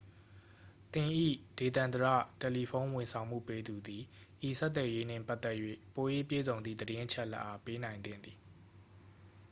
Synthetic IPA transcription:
t̪ɪ̃˨ʔḭ˦˨d̥e˨t̪ã˨nd̪əɹä̰˦˨tɛ˨li˨pʰõ˦ʊ̃wɪ̃˨nsʰã˨ʊ̃m̥ṵ˦˨pe˦d̪u˨d̪i˨ʔi˨sɛ˦t̪̬ːwɛ˨je˦n̥ɪ̰̃˦˨pa˦ʔt̪ːɛ˦ʔjwḛ˦˨po˨jḛ˦˨pjḛ˦˨zõ˨ʊ̃nd̪ðḭ˦˨d̪əɾɪ̃˦ʔət͡ɕʰɛ˦ʔlɛ̰˦ʔa˦pe˦nã˨ɪ̃nd̪ɪ̰̃˦˨nd̪i˨

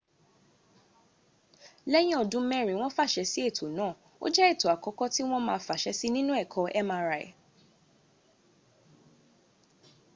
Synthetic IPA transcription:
lɛ˦j̃ĩ˦ɔ˨dũ˦mɛ˦ɾ̃ĩ˨w̃ɔ̃˦fa˦˨ʃɛ˧si˦e˦˨tʰo˨nãː˦˨ | o̰˦d͡ʒɛ˦e˦˨to˨a˨kɔ˨˦kɔ˦ti˦w̃ɔ̃˦mãː˧˦fa˨ʃɛ˧˦si˦nĩ˦nũ˦ɛ˦˨kʰɔ˧ʔɛ˦mãː˧˦ɾa˧˨ɛ̰˨

